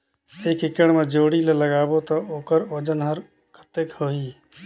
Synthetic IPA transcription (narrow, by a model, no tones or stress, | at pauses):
ekɪkəɽ̃mẽd͡ʒoːɽileləɡaːbot̪ɔoːkəɾoːd͡ʒənɦəɾ | kʰə̥t̪ekhoiː